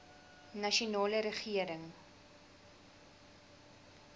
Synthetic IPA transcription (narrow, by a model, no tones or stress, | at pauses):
nɐʃunɑːləɾəχiəɾəŋ